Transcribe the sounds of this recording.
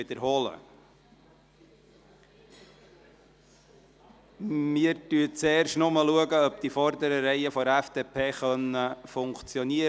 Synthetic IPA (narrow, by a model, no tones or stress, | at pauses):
ɪd̪əɾɦɔːlə̰ | miəɾtyət͡seːɾʃtnʊməluəɡəœp̚d̪ifɔɾd̪əɾəɾɛɪəfɔɾæfd̥̪eːpʰeːχœnəfʊŋkt͡sjɔniə